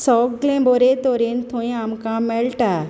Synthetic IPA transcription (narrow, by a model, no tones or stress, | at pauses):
sɔkɡlẽboɾet̪oɾent̪ʰõĩamkãmelʈa